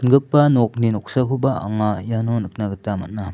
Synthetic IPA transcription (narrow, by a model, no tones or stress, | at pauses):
ənɡɯpːanɔk̚ninɔk̚sakʰubaʔa̰ŋajanɔnɯk̚naɡɯtamat̚na